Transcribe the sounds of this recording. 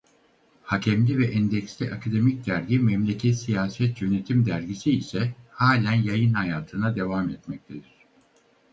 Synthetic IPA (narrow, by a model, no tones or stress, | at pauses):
hacʰɛmlʲivɛʔɛnd̪ɛcslʲiʔakʰad̪e̞mic̚d̪æɾɟimɛmlʲecʰɛt̪sijaːsɛt̪jø̞ne̞t̪ʰimd̪æɾɟisiːsɛhaːlʲænjajɯnhajaːt̪ʰɯnad̪e̞vamɛt̪mɛc̚t̪ʰed̪iɾ̥